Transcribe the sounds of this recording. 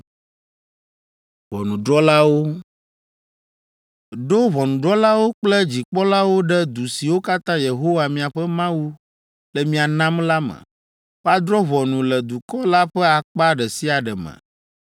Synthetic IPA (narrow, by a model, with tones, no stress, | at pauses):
βɔ̰˨nũ˨ɖɾɔ˦la˦wo˦ | ɖo˦βɔ˨nũ˨ɖɾɔ˦la˦wo˦k͡plɛ˦d͡ʑi˨k͡pɔ˦la˦wo˦ɖɛ˦d̪u˨si˨wo˦ka˦t̪ã˦je˨ɦo˦wa˨mĩ˨a˨ɸɛ˦mã˦wu˦ | lɛ˨mĩ˦a˨nã˦mla˦mɛ̰̃˨ | ɸa˦d̪ɾɔ˦βɔ˨nũ˨lɛ˨d̪u˨kɔ˦la˦ɸɛ˦a˨k͡pa˦ɖɛ˨si˦a˨ɖɛ˨mɛ̰̃˨